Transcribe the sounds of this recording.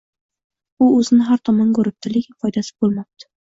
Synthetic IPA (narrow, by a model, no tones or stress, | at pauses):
ʊɵzɪnɪɦaɾt̪ʰɒmankɵɾɪp̚t̪ʰɪlɪkʲɪfʰɒjd̪asɪ̥bolˠmap̚t̪ʰɪ̥